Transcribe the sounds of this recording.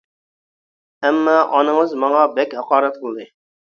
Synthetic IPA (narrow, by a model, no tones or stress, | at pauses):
ɛmːɑʔɑnɨŋəzmɑŋɑbɛkʲhɑqɑːɾɛt̪̚bulˠd̪ɨ